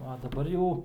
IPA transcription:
ɐ dɐˈbɐr jɛʊ

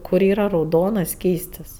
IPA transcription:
ˈkʊr ˈiːrɐ rɐʊˈdoːnɐs ˈsʲkʲiːsʲtʲɪs

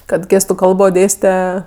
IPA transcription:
kɐt ˈɡʲeːstʊ ˈkɐlˠboː ˈdʲeːsʲtʲɛ

